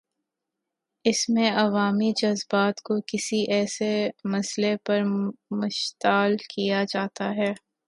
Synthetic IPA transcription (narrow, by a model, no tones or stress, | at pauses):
ɪsmẽɐʋaːmid͡ʒɐzbaːt̪kokɪsiʔɛːsemɐslepɐɾmʊʃt̪aːlkijad͡ʒaːt̪aɦɛː